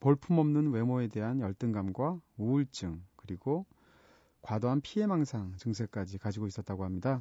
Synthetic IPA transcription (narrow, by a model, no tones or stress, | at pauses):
poɭpʰumʌmnɯnwe̞moe̞de̞ɦanjʌɭt͈ɯŋɡamɡwauɭt͡ɕ͈ɯŋkɯɾiɡo | kwadoɦanpʰie̞maŋsʰaŋt͡ɕɯŋsʰe̞k͈ad͡ʑikad͡ʑiɡois͈ʌt̚t͈aɡoɦamɲida